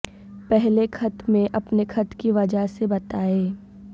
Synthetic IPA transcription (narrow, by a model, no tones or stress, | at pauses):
pɛɦlekʰɐt̪mẽʔɐpnekʰɐt̪kiʋɐd͡ʒaɦsebɐt̪aːeː